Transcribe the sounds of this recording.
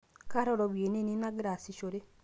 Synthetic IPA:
ka˦ɾɔ˦ɾɔ˨βwe˨ne˦ne˦na˦ɡi˦ɾa˨si˨ʃo˨ɾe˦

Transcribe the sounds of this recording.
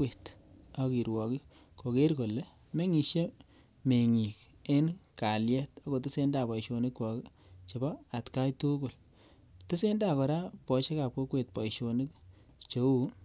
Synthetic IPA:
we˨tɔ˨ki˨ɾwɔ˨ki˦ | ko˨ke˦ɾko˨le˦ | me˦ŋi˨ʃje˦ | me˨ŋi˨k̚ | e˦nka˨ljɛ˦ta˦ko˨tɪ˦se˦nda˨pɔ˨iʃo˨nɪ˦kwɔ˨k | t͡ʃe˨bɔ˦a˨tka˦jtu˦ɡo˨l | tɪ˦se˦nda˦˨kɔ˨ɾa˦pɔ˨ʃe˦ka˨p̚ko˦kwe˨t̚pɔ˨jʃo˨nɪ˦k̚ | t͡ʃo˨˦u˦

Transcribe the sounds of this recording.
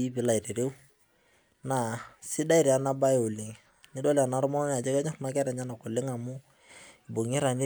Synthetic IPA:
i˦bɪ˨˦la˨ɪ˨ɾe˨ɾe˦u˦ | na˨sɪ˦da˦ɪ˨ɾa˨na˦ba˦jo˨lɪ˨ŋ | ɲɪ˦dɔ˦la˨na˦ɾʊ˦mɔ˦n˦˨a˨d͡ʒɛ˦kɛ˦ɲa˦ma˦kɛ˦ɾɛ˨ɲa˦na˨kʊ˨lɪ˦ŋa˨mʊ˦ | i˨bo˨ŋɪ˦ɾa˨ɲɪ˦

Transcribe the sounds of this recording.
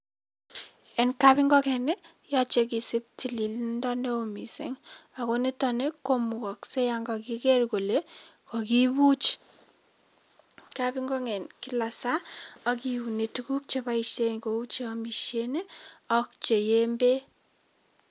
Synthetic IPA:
ɛ˨nka˦bi˦ŋɡɔ˦kɛ˨ne˦ | ja˦t͡ʃe˨ki˨sɪ˦p̚ti˨li˨lnda˦ne˦o˨mi˨sḛ˦ŋa˨ko˦ne˦ta˦ne˦ko˦mu˨kɔ˨kse˦ja˨ŋɡa˨ki˦kɛ˦ɾko˨le˦kɔ˨ki˦bu˦t͡ʃ | kabi˦ŋɡɔ˦ŋɛ˨nki˦la˨sa˦a˦kiwu˨ne˨tu˦ku˦k̚t͡ʃe˦ba˦i˨ʃe˦ŋko˨u˦t͡ʃe˦ɔ˦mi˨ʃe˦ne˦ɔ˦k̚t͡ʃe˨je˦mbe˦

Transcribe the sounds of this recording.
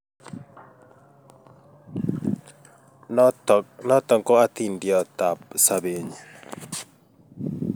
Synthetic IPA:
ntnɔ˦t̪ɔ˨ŋko˦a˦t̪i˨ndjɔ˨t̪a˨p̚sa˨be˨ɲ˨

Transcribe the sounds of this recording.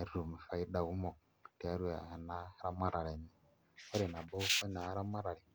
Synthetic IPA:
u˨mi˨fa˨i˦da˨u˦mɔ˨ | ti˨a˨˦ɾu˦a̰˨na˦ɾa˦ma˦ɾa˨ɾɛ˨ni˨ | a˦ɾe˨na˨bɔ˦fa˦na˨˦ɾa˦ma˦ɾa˨ɾi˨

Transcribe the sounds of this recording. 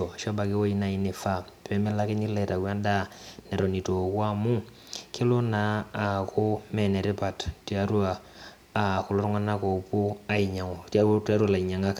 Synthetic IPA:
o˨ʃa˦ba˨ke˦wo˦ji˦na˨i˦ni˨fa˦˨ | pe˦me˦la˦ke˦ɲi˦la˨ta˨ɡwa˦nda˦nɛ˨ɾo˨ni˨to˨kwa˦mu˦ | kʰe˦lo˦naː˨˦˨ku˦mɛ˨ne˨ɾe˦pa˨tti˨a˨ɾu˦a˨ | ku˨lo˦ɾu˦ŋa˦na˦ko˨pu˦a˦i˨ɲa˨ŋo˨tta˦ɾu˦a˨la˨i˨ɲa˨ŋa˦ka˨

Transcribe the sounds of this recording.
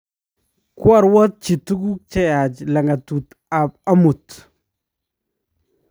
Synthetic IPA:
kwa˦˨ɾwɔ˦t̚t͡ʃi˨tu˦ɡu˦kt͡ʃɛ˦ja˨d͡ʒla˨ŋa˨tu˨t | a˨p̚a˦mu˨t

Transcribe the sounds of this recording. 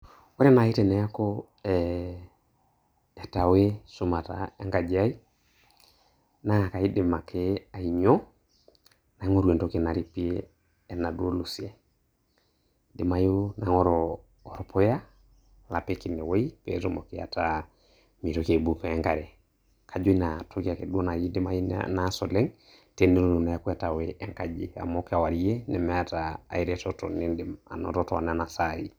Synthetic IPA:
wo˦ɾe˦na˨i˦tɛ˨nɛ˨a˦kɔ˦ | ɛ | ɛ˨ta˨we˦su˦ma˨ta̰˨e˦ŋɡa˨d͡ʒa˦i˦ | na˦˨ka˨i˦dɪ˨ma˨kʰe˦a˨i˨ɲo˦ | na˨˦ŋo˦ɾu˨e˨to˦ke˨na˨ɾi˨pi˦eː˦˨ | na˨do˦lu˨si˦e˨ | dɪ˨ma˨ju˦na˨ŋɔ˦ɾɔː˨ | ɾɔ˨po˦ja˦ | la˨peki˨nːɛ˨wo˦i˦pḛ˦to˦mo˨ki˦a̰˨ta | mi˨ɾoke˨bu˦peː˨˦ŋka˨ɾe˨ | kʰa˨d͡ʒo˦i˦na˨tʰo˦ki˦a˨ke˨du˦o˦na˨ji˦dma˦ji˦na˦so˨le˦ŋ | te˦nde˦ɾo˨no˨na˨ja˦ku˦a˨ta˨weʔe˦ŋka˨d͡ʒi˨a̰˨mo˦ka˨wa˨ɾi˦je˦nɛ˨mɛ˦ata̰ː˨i˨ɾetɔ˦tɔ˨ni˦danɔ̰˨tɔ˦tɔ˨a˨n˦a˦na˨sa˨i˨

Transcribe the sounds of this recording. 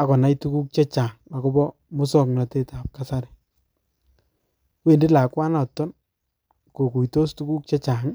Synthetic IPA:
a˨kɔ˨na˦jtu˦ku˦k̚t͡ʃɛ˦t͡ʃaː˨ŋa˨kɔ˦bɔ˦ | mʊ˦sɔ˨k̚na˨te˦ta˨p̚ka˦sa˦ɾɛ˨ | kwe˦˨ndi˦la˨kwa˦na˨tːɔ˦n | ko˨ku˨jto˦stu˦ku˦k̚t͡ʃɛ˦t͡ʃaː˨ŋ

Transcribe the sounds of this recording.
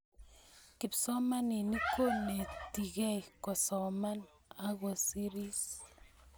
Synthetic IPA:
ki˨psɔ˦ma˦ni˨ni˦kʰo˦ne˨ti˨ɣɛ˦ikɔ˨sɔ˨ma˦n | a˦ɣo˨si˦ɾi˦s

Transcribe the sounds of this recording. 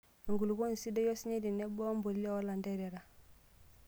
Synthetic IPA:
ŋɡu˨lu˨ɡo˦n˨si˦do˦jo˦si˦ɲe˦di˨ne˦bo˦mbo˨lle˦o˦la˨nde˦ɾe˨ɾa˨

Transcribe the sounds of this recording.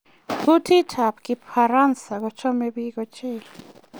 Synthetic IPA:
ku˦t̪ʰi˦tʰa˨pki˧pxa˧ɾa˦nsa˨ɡo˨t͡ʃo˦me˧bi˧ɡo˧t͡ʃe˦

